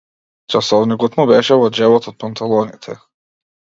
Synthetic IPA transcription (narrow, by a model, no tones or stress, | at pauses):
t͡ʃasɔvniɡut̪nubɛʃɛvɔd͡ʒɛvɔt̪ɔt̪̚pant̪ʰalˠɔnit̪ʰɛ